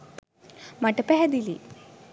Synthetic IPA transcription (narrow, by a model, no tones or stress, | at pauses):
mɐʈɐpɛɦɐd̪ilḭ